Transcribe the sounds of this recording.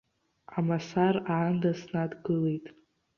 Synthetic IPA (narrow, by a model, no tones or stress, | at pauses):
amasaraʕandasnadɡɨlejtʼ